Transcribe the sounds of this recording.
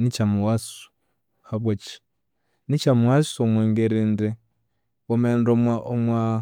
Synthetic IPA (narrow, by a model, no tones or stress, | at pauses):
nit͡ʃamuwasu̥ | haβwat͡ʃi̥ | nit͡ʃamuwasomweːŋɡeɾiːnde | omeːndoaomwa